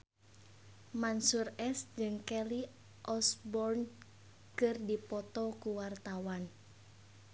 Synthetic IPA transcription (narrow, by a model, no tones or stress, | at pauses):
mansurɛsd͡ʒɨŋkɛli | ʔɔsbɔrn | kɨrdipɔt̪ɔkuwart̪awan